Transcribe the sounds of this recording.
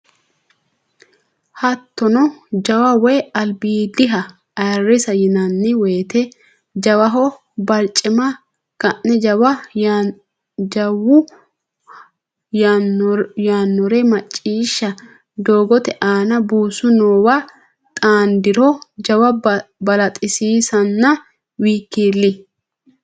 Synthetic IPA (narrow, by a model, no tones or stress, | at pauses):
hɐt̪ːɔnɔd͡ʒɐwɐwɛjɐlbiːd̪ɪɦɐ | ɐjɐrɪsɐjɪnɐnːɪweːt̪ɛ | d͡ʒɐwɐɦɔ | bɐlt͡ʃʼːɪmɐ | ɡ̥ɐʔnɛd͡ʒɐwɐ | d͡ʒɐwʊ | jaːnːɔɾɛmɐt͡ʃʼːiːʃːɐ | d̪oːɡɔt̪ɛʔaːnɐbuːsʊnoːwɐ | t̪ʼaːnd̪ɪɾɔd͡ʒɐwɐbɐlɐt̪ʼɪsiːsɐnːɐ | wiːkːiːlːɪ